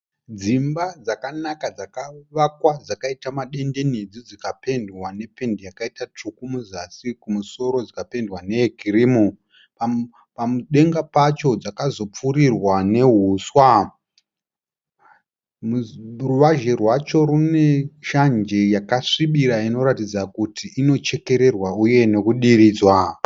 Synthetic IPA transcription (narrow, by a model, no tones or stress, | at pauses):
d͡zimbad͡zakanakad͡zakaʋakwad͡zakaitamaɗe̞nde̞nid͡zid͡zikape̞ndwane̞pe̞ndijakaitat͡ʂukumuzasikumuso̞ɾo̞d͡zikape̞ndwane̞ɡiriːmu | pa | pamuɗe̞ŋɡapat͡ʃo̞d͡zakazo̞p͡fuɾirwane̞ɦuswa | muruʋaʒe̞rwat͡ʃo̞ɾune̞ʃand͡ʒe̞jakaʂiɓiɾaino̞ɾatid͡zakutʰiʔino̞t͡ʃe̞ke̞ɾe̞rwauje̞ne̞kuɗiɾiːd͡zwa